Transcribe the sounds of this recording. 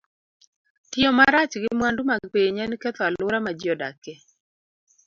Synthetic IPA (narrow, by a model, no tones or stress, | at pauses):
tɪɔmaɾat͡ʃɡɪmwandumaɡpeɲankɛt̪ɔalʊɾamad͡ʒɔda̰kɛ